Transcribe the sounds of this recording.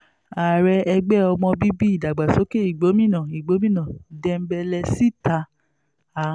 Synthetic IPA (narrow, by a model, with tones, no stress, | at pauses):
a˨ɾɛ˧ɛ˧ɡ͡bɛ˦ɔ˧mɔ̃˧bi˦bi˦i˦˨da˨ɡ͡ba˨so˨˦ke˦i˨ɡ͡bo˨˦mĩ˦˨nã˨i˨ɡ͡bo˨˦mĩ˦nã˨dɛ˧m̩˦bɛ˧lɛ˧si˦ta˧ | a˨